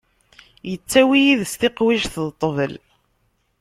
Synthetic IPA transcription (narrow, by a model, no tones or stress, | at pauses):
jət͡sːæwijiðəst̪ɪqwiʒθðt̪ˤːəvəl